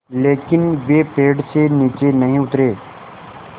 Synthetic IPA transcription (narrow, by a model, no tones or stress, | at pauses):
leːkɪnʋeːpeːɖseːniːt͡ʃeːnəɦĩːʊt̪ɾeː